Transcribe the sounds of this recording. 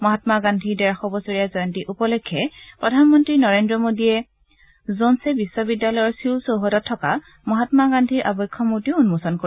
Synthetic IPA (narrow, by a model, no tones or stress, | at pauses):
mɔɦatmaɡandʱidɛɹaxɔbɔsoɹijazɔjɔntiʔupɔlɔjkʰːɛpɹɔdʱanmɔntɹinɔɹendɹɔmodijɛ | zonsɛbisːɔbidːalɔjɔɹsiwsowɦɔtɔtʰːɔka̰ | mɔɦatmaɡandʱiɹʔabɔjkʰːɔmutiʊunmusɔnko